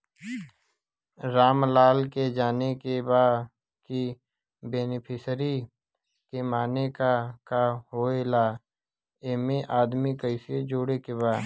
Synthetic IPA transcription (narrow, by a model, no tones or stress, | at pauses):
ɾaːmlaːlked͡ʒaːnekebaː | ki | beːnɪpʰɪsɾi | kemaːnekakaɦoːelaː | emẽʔaːd̪mikəɪsed͡ʒoːɽekeβaː